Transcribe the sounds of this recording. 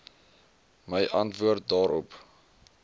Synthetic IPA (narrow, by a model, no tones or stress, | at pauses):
məjʔɐntvuərt̚dɑːɾɔp